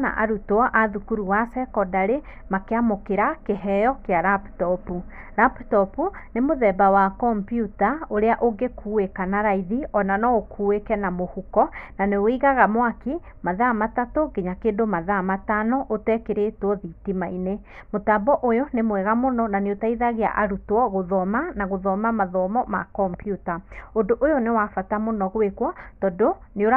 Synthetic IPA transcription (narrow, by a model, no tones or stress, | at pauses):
na̰ʔa̰ɾutwɔʔaðukuɾuwasɛkɔdaɾe | makeamokeɾakeɦɛjɔkeaɾaptɔpu | ɾaptɔpunemoðɛbawakɔmpjutaoɾeaʔoɡekʰuwekanaɾaiðiɔnanɔokʰuːwekɛnamohukɔnaneoiɣaɣamwake | maðamatatoɡeɲakeːndomaðamatanɔʔotɛkeɾetwɔðitimaine | motabɔʔojonemwɛɣamonɔnaneotaiðaɣea̰ʔaɾutwɔɣoðɔmanaɣoðɔmamaðɔmɔma̰kɔmpjutaondoʔojonewafatamonɔɣwekwɔtɔdoneoa